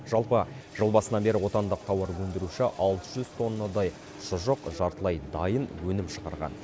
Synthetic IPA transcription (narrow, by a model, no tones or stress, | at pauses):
ʒ̥ɑlˠpə | ʒ̥əlˠbɑsənɑbe̞ɾɪwo̞t̪ɑnd̪əq̚t̪ʰɑwɑɾwɵnd̪ɪɾuʃɪʔɑlˠt̪əʒʏz̥t̪ʰo̞nːəd̪ɑj | ʃʊʒəqʒɑɾt̪əlˠɑjd̪ɑjənwɵnɪmʃəʁɑɾʁɑ̰n